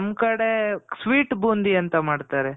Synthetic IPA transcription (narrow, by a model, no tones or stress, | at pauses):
mkɐɽesʋiːʈbuːnd̪iɐnt̪ɐmaːɖt̪aːɾe